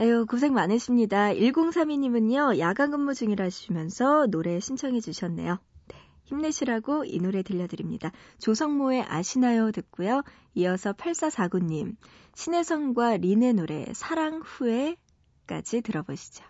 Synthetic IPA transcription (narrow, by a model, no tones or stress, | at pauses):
eokos̬ʰe̞ŋmanɯɕʰimɲidaiɭɡoŋsʰamiɲimɯɲjʌjaɡaŋɡɯmːud͡ʑuŋiɾaɕʰiimjʌnsʰʌnoɾe̞ɕʰint͡ɕʰʌŋɦe̞d͡ʑuɕʰʌnːe̞̰jone̞ | çimneɕʰiɾaɡoḭnoɾe̞tɯʎːʌdɯɾimɲḭdat͡ɕosʰʌŋmoe̞ʔa̰ɕʰinajotɯk̚k͈ujo | iʌsʰʌpʰaɭs͈asʰaɡuɲːim | ɕʰine̞sʰʌŋɡwaɾine̞noɾe̞̰sʰaɾaŋɸue̞ | k͈a̰d͡ʑitɯɾʌboɕʰi̥d͡ʑo̥